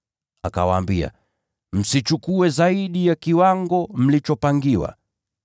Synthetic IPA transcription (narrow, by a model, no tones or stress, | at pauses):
aka̰waːmbia̰ | m̩sit͡ʃukuɛzaiɗijakiwaŋɡɔm̩lit͡ʃɔpaŋɡiwa̰